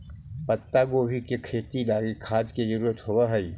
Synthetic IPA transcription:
pɐt̪ːaɡoːbʱikekʰeːt̪ilaːɡikʰaːd̪kezɐɾuːɾət̪ɦowaɦɐi

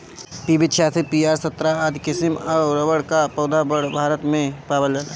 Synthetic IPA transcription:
piːbɪt͡ʃʰaːsipiːaːɾsɐt̪ɾaaːd̪kɪsɪmɐɾəwəɽkapɔːd̪abəɽbʱaːɾət̪mẽpaːbəld͡ʒəla

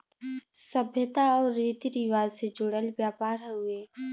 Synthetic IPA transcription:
sɐbʱjət̪aɔːɾːeːt̪iɾiʋaːzsed͡ʒʊɽəlbjaːpaːɾɦueː

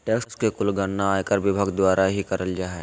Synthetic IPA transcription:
ʈeːksskekʊlɡəɾnaaːjkəɾʋɪbʱaɡd̪waːɾʔaɦikɐɾəld͡ʒaːɦɛ

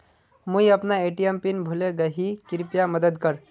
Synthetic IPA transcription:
mujəpnaeʈiempinbʱuleɡəɦikiɾpjaməd̪əd̪kəɾ

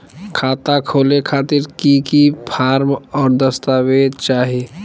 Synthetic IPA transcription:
kʰaːt̪akʰoːlekʰaːt̪iɾkikipʰaːɾmɔːɾd̪əst̪awet͡ʃaːɦe

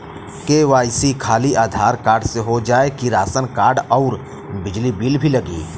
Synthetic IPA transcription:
keːʋaːsikʰaːliʔaːd̪ʱaːɾkaːɾɖseɦod͡ʒaːekiɾaːsənkaːɾɖɔːɾ | bɪd͡ʒlibilbʱilɐɡḭː

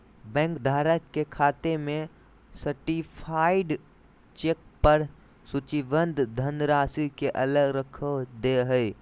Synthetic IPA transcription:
bɛ̃ːŋkd̪ʱaːɾəkkːekʰaːt̪emẽ | səɾʈipʰaːɪɖ | t͡ʃek̚pəɾ | sʊt͡ʃiʋənd̪ʱd̪ʱənɾaːsikeʔɐləɡɾəkʰəd̪eɦəɪ

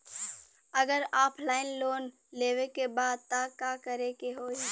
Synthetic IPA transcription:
ɐɡəɾaːpʰlaːɪnloːn | leːwekebaːd̪̚t̪akaːkəɾekeɦoːi

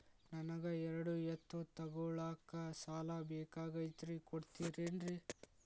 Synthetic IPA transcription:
nɐnɐɡɐɛɾɐɽujɐt̪ʰːut̪ɐɡɔɭaːkɐsaːlɐbɛːkaːɡɐit̪ɾikoɽt̪iːɾeɳɖɾi

